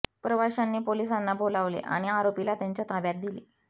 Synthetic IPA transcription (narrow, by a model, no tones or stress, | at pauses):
pɾəʋaɕanːiːpolis̬anːabolaʋlḛʔa̰ɽ̃iaɾopilat̪jaɲt͡ɕjat̪aʋjat̪̚d̪ile